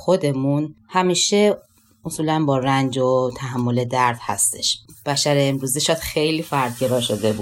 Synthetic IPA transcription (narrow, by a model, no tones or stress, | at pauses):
xo̞d̪e̞munhæmiːʃe | osuːlænbɒːɾænd͡ʒot̪ʰæɦæmːo̞le̞d̪æɾd̪̥hæ̰st̪e̞̰ʃb̥æʃæɾeːmɾuːziʃɒd̪̥xejliːfæɾd̪̚ɟe̞ɾɒːʃod̪e̞bu